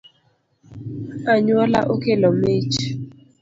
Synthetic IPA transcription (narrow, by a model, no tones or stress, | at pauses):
aɲwɔla̰ʔokelɔmet͡ʃ